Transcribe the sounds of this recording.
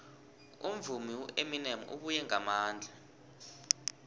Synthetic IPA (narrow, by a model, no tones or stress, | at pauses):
um̩vumiwuʔeminemṵʔṵɓujɛŋamaːnd͡ɮʱa